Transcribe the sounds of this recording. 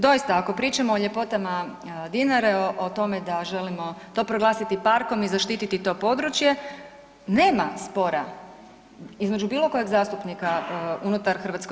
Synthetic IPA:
d̪o̞jist̪aako̞pɾiːt͡ʃamoːʎe̞po̞t̪ama | d̪inaɾeoʔot̪o̞me̞d̪aʒe̞limo̞t̪o̞ːpɾo̞ɡlˠaːsit̪ipaɾko̞mizaʃt̪iːt̪it̪it̪o̞ːpo̞d̪ɾut͡ʃje̞ | ne̞ːmaspo̞ɾa | izme̞d͡ʒubiːlˠo̞ko̞jeɡzaːst̪upnikaunut̪aɾxrʋat̪sko

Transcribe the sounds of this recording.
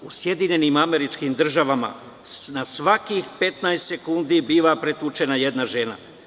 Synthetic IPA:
usje̞d̪iɲe̞nimame̞ɾit͡ʃkimd̪r̩ʒaʋama̰ | nasʋakixpe̞t̪najst̪se̞kund̪ibiːʋapɾet̪ut͡ʃe̞naje̞d̪naʒe̞na̰

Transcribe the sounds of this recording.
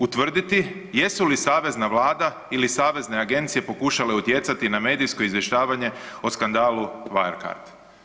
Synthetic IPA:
ut̪ʋr̩d̪it̪ije̞sulisaːʋe̞znaʋlaːd̪a | ilisaːʋe̞zne̞aɡe̞nt̪sije̞po̞kuʃale̞ut̪je̞t̪sat̪iname̞ːd̪ijsko̞izje̞ʃt̪aːʋaɲe̞oskand̪aːluʋaeɾka̰ɾt̪

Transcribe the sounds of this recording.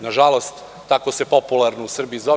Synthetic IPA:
naʒalˠost̪ː | akose̞po̞pulˠaɾnousr̩biizo

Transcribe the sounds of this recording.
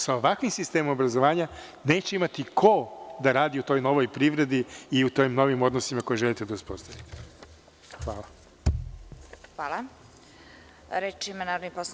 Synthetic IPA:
saoʋakʋimsist̪eːmomobɾazoʋaːɲa | ne̞ːt͡ɕeimat̪ikʰo̞d̪aɾaːd̪iut̪o̞ːjno̞ʋo̞jpɾiʋɾe̞d̪iiut̪oːjimno̞ʋimo̞d̪nosimako̞jeʒelˠit̪ed̪auspo̞st̪aʋit̪e̥ | xʋaːlˠa | xʋaːlˠa | ɾet͡ʃimanaːɾovnipos

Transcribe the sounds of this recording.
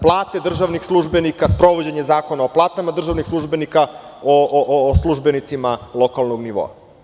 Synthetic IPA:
plˠaːt̪e̞d̪r̩ʒaʋnixslˠuʒbe̞nikaspɾo̞ʋod͡ʑeɲe̞zaːko̞naoplˠaːt̪amad̪r̩ʒaʋnixslˠuʒbe̞nika | oʔslˠuʒbenit̪simalˠo̞kalˠnoɡniʋo̰a̰

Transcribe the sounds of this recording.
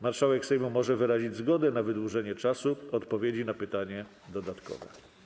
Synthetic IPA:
maɾʂawɛksɛjmumɔʐɛvɘɾaʑid͡ʑzɡɔd̪ɛnavɘd̪wuʐɛɲɛt͡ʂasuɔt̪pɔvʲjed͡ʑinapɘt̪aɲɛ | d̪ɔd̪at̪kɔ̰vɛ̰

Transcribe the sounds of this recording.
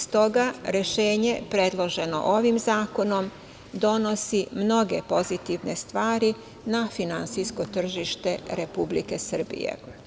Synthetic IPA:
st̪o̞ɡaɾe̞ʃe̞ːɲe̞pɾe̞d̪lˠo̞ʒe̞no̞̰ʔo̞ʋimzaːko̞no̞m | d̪o̞no̞simno̞ɡe̞po̞zit̪iʋne̞st̪ʋaːɾi | nafinant̪sisko̞t̪r̩ʒiʃt̪e̞ɾe̞publike̞sɨr̩bḭjḛ

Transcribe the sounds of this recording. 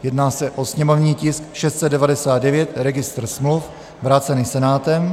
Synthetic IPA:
jɛdnaːsɛʔo̞sɲɛmovɲiːcɪskʃɛst̪sɛd̪dɛvadɛsaːd̪dɛvjɛt̪ɾɛɡɪst̪r̩smluf | vɾat͡sɛniːsɛnaːt̪ɛm

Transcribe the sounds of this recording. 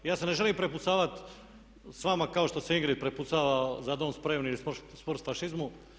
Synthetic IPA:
jaːsene̞ʒeliːmpɾeput̪saːʋat̪ | sʋamakaoʃt̪oseiŋɡɾid̪̚pɾeput̪saːʋazad̪oːnspɾeʋnilispspoɾt̪faʃizmu

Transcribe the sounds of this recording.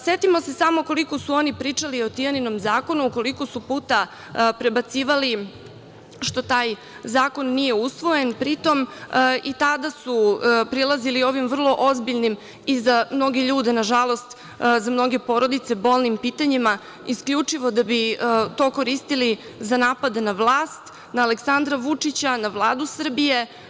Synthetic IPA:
sjet̪imo̞se̞samoko̞liko̞suo̞nipɾiːt͡ʂalio̞t̪ijanino̞mzaːko̞nuuko̞liko̞supuːt̪a | pɾe̞bat̪siːʋali | ʃt̪o̞t̪aːj | zaːko̞nːije̞usʋo̞je̞npɾit̪o̞mit̪ad̪asupɾilˠazilio̞ʋimvr̩lˠo̞ʔozbiʎnim | izamno̞ɡe̞ʎuːd̪e̞naʒalo̞st̪ | zamno̞ɡe̞po̞ɾo̞d̪it̪se̞bo̞ːlˠnimpiːt̪aɲima | iskʎʲut͡ʂiʋo̞d̪abit̪o̞ːko̞ɾist̪ili | zanaːpad̪enaʋlˠaːst̪ | naːleksand̪ɾaʋut͡ʂit͡ɕanaʋlˠaːd̪usr̩bije̞

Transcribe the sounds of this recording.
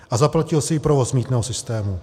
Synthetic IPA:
ʔazaplacɪlsɪjɪpɾovo̞smiːt̪nɛːɦosɪst̪ɛːmu

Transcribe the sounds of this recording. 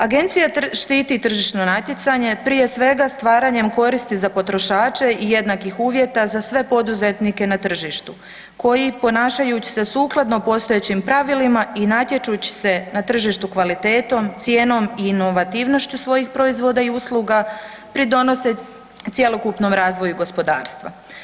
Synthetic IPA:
aɡe̞nt̪sijatʃt̪iːt̪it̪r̩ʒiʃno̞nat̪jet̪saɲe̞pɾije̞sʋe̞ɡast̪ʋaːɾaɲe̞mko̞ɾist̪izapo̞t̪ɾo̞ʃaːt͡ʃe̞ije̞d̪nakixuːʋje̞t̪azasʋe̞po̞d̪uze̞t̪nike̞nat̪r̩ʒiʃt̪u | ko̞jipo̞naːʃajut͡ɕi̥se̞suːklˠad̪nopo̞st̪o̞et͡ɕimpɾaʋilimainat̪je̞t͡ʃut͡ɕi̥se̞nat̪r̩ʒiʃt̪ukʋalit̪e̞ːt̪o̞mt̪sje̞ːno̞miːno̞ʋat̪iʋno̞ʃt͡ɕusʋo̞jixpɾo̞izʋo̞d̪aiuslˠuːɡa | pɾid̪o̞no̞se | t̪sje̞lo̞kupno̞mɾaːzʋo̞juɡo̞spo̞d̪aːɾst̪ʋa̰

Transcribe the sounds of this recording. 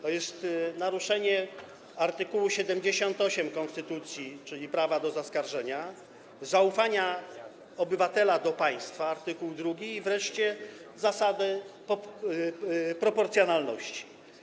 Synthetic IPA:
t̪ɔjɛst̪naɾuʂɛɲɛ | aɾt̪ɘkuwuɕɛd̪ɛmd͡ʑeɕɔnt̪ɔɕɛmkɔnst̪ɘt̪ut̪sʲjit͡ʂɘlʲipɾavad̪ɔzaskaɾʐɛɲa | zaufaɲa | ɔbɘvat̪ɛlad̪ɔpaj̃st̪faːɾt̪ɘkuwd̪ɾuɡʲiːvɾɛʂt͡ɕɛzasad̪ɛ | pɾɔpɔɾt̪sjɔnalnɔ̰ɕt͡ɕi̥

